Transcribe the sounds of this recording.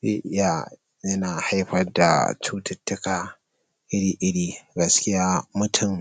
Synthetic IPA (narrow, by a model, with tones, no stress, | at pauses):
zeː˦ʔɪ˦ja˨ | jɐ˦naː˨ha˦jɸɐ˦rda̰˨t͡ʃuː˦tɐ˦tːʊ˦kaː˨ | ʔɪ˦ɽiː˦ʔɪ˦ɽiː˦ɡɐ˦skʲɪ˦jaː˦mʊ˦tʰʊ˦˨m